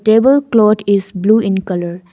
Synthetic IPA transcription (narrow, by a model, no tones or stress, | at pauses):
ʈeːbəlklɔːʈɪzbluːʔɪ̃nkʌləɾ